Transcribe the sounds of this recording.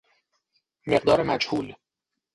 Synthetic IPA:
meɢd̪ɒːɾemæ̰d͡ʒhuːl

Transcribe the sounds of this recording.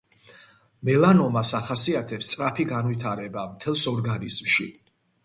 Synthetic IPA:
mɛlanɔmasaχasiat̪ʰɛpst̪sʼɾapʰiɡanvit̪ʰaɾɛbamt̪ʰɛlˠsɔɾɡanizmʃḭ

